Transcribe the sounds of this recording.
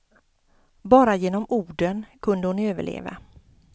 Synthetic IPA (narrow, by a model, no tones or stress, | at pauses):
bɑːɾajeːnɔmuːɖənkʰɵnd̪əhʊnøːvə̰ɭʔḛːva̰